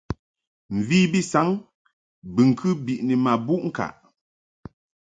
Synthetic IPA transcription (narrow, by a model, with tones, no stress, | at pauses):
m̩˨viː˦bi˦sa˨˦ŋ | bɨ˨ŋ̩˨kʰɨ˦bi˨ʔni˨ma˨bu˦ʔŋ̩˦ka̰˨ʔ